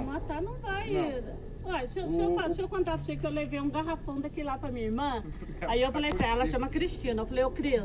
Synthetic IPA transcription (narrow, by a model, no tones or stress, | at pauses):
mat̪anɐ̃w̃vaj | ɔʎɐsewsɪewfalsɪewkõnd̪asikewlevejũɡaɦafɐ̃d̪akilapɾɐmĩɲɐiɾmɐ̃ | aiewfalejpɾɐɛlɐʃɐ̃mɐkɾiʃt͡ʃĩnɐewfalejokɾiz